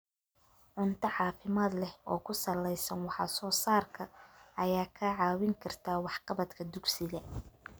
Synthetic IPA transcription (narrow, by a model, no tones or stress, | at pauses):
ʕʊnt̪ʰɐʕɑːfɪmaːd̪lɛhɔːkʰʊsɐlːɛjsɐnwɑħɑ̰sɔːsaːrkʰɐɐjaːkʰɐʕɑːwɪŋkʰɐrt̪ʰaːwɑħqɑβɐd̪kʰɐd̪ʊɡsɪɣɐ